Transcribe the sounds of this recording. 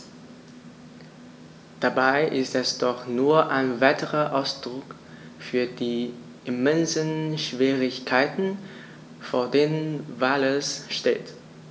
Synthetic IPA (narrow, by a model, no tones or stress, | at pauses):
d̥abaɪʔɪstɛsd̥ɔχnuːɐʔaɪnvaɪtʰəʁɐʔaʊsd̥ʁʊk | fyːɐdiː | ʔɪmɛnzənʃv̥iːʁɪçkʰaɪtn̩ | foːɐdeːnənvaːləsʃtḛːt